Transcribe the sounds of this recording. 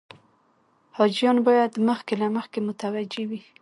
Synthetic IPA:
hɑd͡ʒjɑnbɑjad̪məxkelaməxkemʊt̪awad͡ʒewi

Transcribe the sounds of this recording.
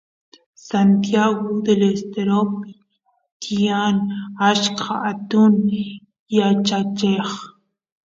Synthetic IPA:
sant̪jaɣod̪elest̪eɾopɪ | t̪ʰianaʃkʰaːt̪un | jat͡ʃat͡ʃeχ

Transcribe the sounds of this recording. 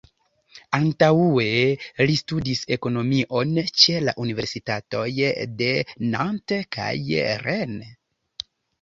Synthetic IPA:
antauelistudise̞ko̞no̞miʔo̞nt͡ʃela̰ʔunive̞ɾsitato̞jde̞nantka̰jɾen

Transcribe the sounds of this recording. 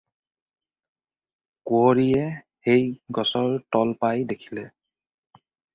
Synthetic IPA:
kwoɹijɛ | xejɡɔsɔɹtɔlpajdekʰi̥lɛ

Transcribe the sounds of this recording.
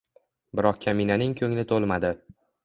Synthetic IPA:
bɪɾɒq̚kʲʰaminanɪŋkʲʰɵŋnɪt̪ʰolˠmad̪ɪ

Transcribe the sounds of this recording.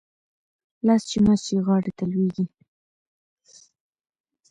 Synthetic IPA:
last͡ʃimast͡ʃiɣɑɽet̪alweɡi

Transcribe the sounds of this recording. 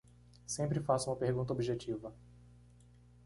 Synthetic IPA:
sẽmpɾɪfasʊũmɐpeɾɡũnt̪ɐobiʒet͡ʃivɐ

